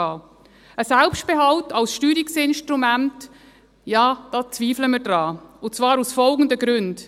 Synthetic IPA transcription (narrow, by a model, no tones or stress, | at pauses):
ɑː | əsælpʃtb̥eɦɑltɑlsʃtyːɾiksɪnʃtɾumænt | jɑːd̥ɑːt͡sviːfləmədɾɑːʊt͡svɑːɾusfɔlɡn̩dəɡɾʉnd